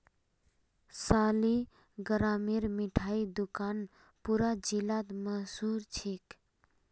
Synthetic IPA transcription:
saːli | ɡəɾaːmiɾmiʈʰaid̪ʊkaːn | puɾad͡ʒilat̪məɦsuɾt͡ʃʰik

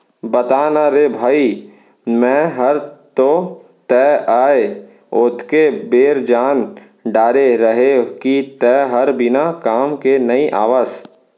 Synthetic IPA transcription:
bɐt̪aːnaɾeːbʱaːi | mɛ̃ɦɐɾt̪o | t̪ɛːaːe | ʊt̪ʰkebeːɾd͡ʒaːn | ɖaːɾeɾəɦekit̪ɛːɦɐɾbɪnakaːmkenɐiʔaːʋaːz

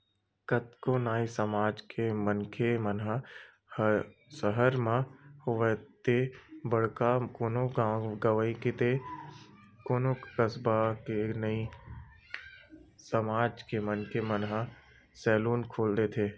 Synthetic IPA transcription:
kət̪konaːisəmaːd͡ʒkʰemənkʰemənɦa | hsəɦəɾmãhʊʋət̪ebəɽ̤kakoːnoɡɡəʋəiket̪e | koːnokkəsbakenəi | səmaːd͡ʒkemənkʰemənɦa | sɛːluːnkʰoːld̪et̪ʰeː

